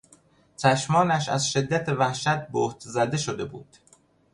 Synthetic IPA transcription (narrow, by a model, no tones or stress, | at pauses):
t͡ʃʰæʃmɒːnæʃæ̰zʃe̞d̪ːæt̪ʰevæhʃæt̪̚boːht̪ʰzæd̪e̞ʃod̪e̞bṵːd̪̥